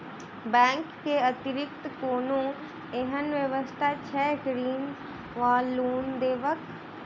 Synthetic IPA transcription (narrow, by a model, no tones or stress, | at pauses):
bɛ̃ːŋkːeət̪ɪɾɪk̚t̪koːnũ | eɦənʋjəʋəst̪ʰat͡ʃʰɛːɡɾiːn | ʋaːlːuːnd̪eːʋək